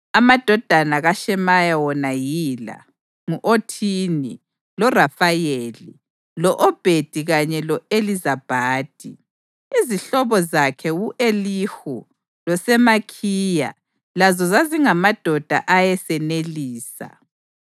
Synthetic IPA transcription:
amad̥ʱɔd̥ʱanaɣaʃɛmajawɔnajila̰ | ŋuʔotʰini | lɔrafajelḭ | lɔʔɔb̥ʱed̥ʱiɣaɲɛlɔelizab̥ʱaːd̥ʱi | iziɬɔβɔzakʰɛɣuʔelixu | lɔsɛmakʰiːja̰ | lazɔzaziŋamad̥ʱɔd̥ʱa̰ʔajɛsɛneliːsa̰

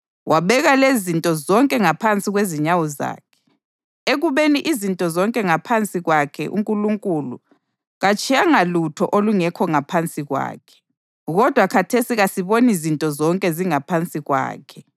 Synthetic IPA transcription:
wʔaβɛɣalezintʼɔzɔŋkʼɛŋapʰant͡sʼiɣweziɲawɔza̰ːkʰɛ̥ | eɣuβeniʔizintʼɔzɔŋkʼɛŋapʰant͡sʼiɣwakʰɛ̰ʔṵŋkʼuluŋkʼulu | ɣat͡ʃʼijaŋalutʰɔʔoluŋɛkʰɔŋapʰant͡sʼiɣwa̰ːkʰɛ̥ | ɣɔd̥ʱwakʰatʰesiɣasiβonizintʼɔzɔŋkʼɛziŋapʰant͡sʼiɣwa̰ːkʰɛ

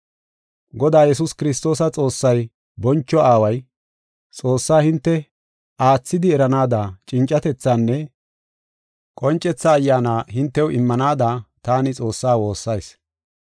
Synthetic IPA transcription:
ɡɔd̪aːjɛs̬ʊskɪɾɪst̪o̞ːsɐt͡sʼo̞ːsːɐj | bɔnt͡ʃːɔʔaːwɐj | t͡sʼo̞ːsːaːhɪnt̪ːɛ | aːt͡sːɪd̪ɪɛɾɐnaːd̪at͡ʃʼɪnt͡ʃʼːɐt̪ɛt͡sːaːnːɛ | kʼɔnt͡ʃʼːɛt͡sːaːjːaːnaːɦɪnt̪ːɛwɪmːɐnaːd̪aːt̪aːnɪt͡sʼo̞ːsːaːwo̞ːsːɐjs

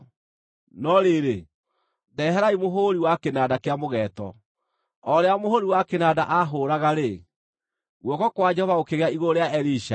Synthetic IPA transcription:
nɔɾeːɾe | dɛɦɛɾaimoɦoɾiwakenaːdakeamoɣɛːtɔ̰ | ɔɾeamohoɾiwakenadaʔaɦoɾaɣaɾe | ɣwɔkɔkwad͡ʒɛhɔvaokeɣeaiɣoɾeaɛɾiʃa

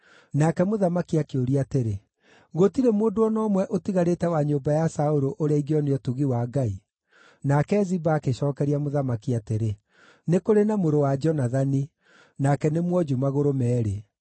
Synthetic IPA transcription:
nakɛmoðamakiakeoɾiateɾe | ɣotiɾemoːndoɔnɔmwɛʔotiɣaɾetɛwaɲoːmbajasaoɾoʔoɾeaiɡeɔneɔtuɣiwaɡai | nakɛzibaːkeɕɔːkɛɾiamoðamakiateɾe | nekoɾenamoɾowad͡ʒɔnaðani | nakɛnemwɔd͡ʒumaɣoɾomɛːɾe

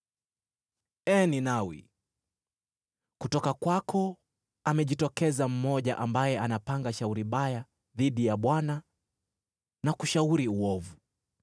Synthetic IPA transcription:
ɛninawḭ | kutɔkakwakʰɔ | amɛʄitɔkɛzam̩mɔʄaʔambajɛʔanapaŋɡaʃauɾimɓaja | ðiɗijaɓwana | nakuʃauɾiuɔvu

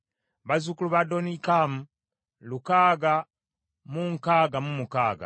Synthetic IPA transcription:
βazukuluβadonikamu | lukaːɡa | muŋkaːɡamumukaːɡa̰

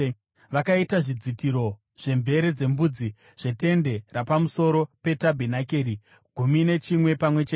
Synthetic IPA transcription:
ʋakaitaʐid͡zitiɾo̞ | ʐ̥e̞mbʱe̞ɾed͡ze̞mbud͡zi | ʐ̥e̞te̞nde̞rapamuso̞ɾo̞pe̞tabʱinakeːɾi | ɡ̥ʱumine̞t͡ʃimwe̞pamwe̞t͡ʃe

